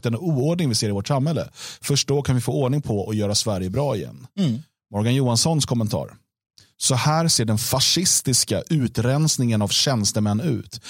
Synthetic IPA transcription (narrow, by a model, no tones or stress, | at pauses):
t̪ɛnuːoɖɳɪŋvɪseːɾɪvɔʈsamhɛlːə̰fœʂʈoːkʰanvɪfoːɔːɖɳɪŋpʰɔɔjœːɾasvæɾjəbɾɑːɪjɛ̰nː | mɔɾɡanjuːansɔnskʰɔmːənt̪ʰɑ̰ːɾ | sɔhæːɾseːɖɛnfaʂɪst̪ɪska̰ʔʉ̟ːt̪ɾɛnsnɪŋənavɕɛnst̪əmɛnːʉ̟̰ːt̪